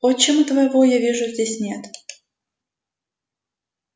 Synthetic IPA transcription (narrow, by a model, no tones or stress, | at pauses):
ot͡ɕːɛmut̪əvəjɪvojavʲiʐʊzʲdʲesʲnʲet̪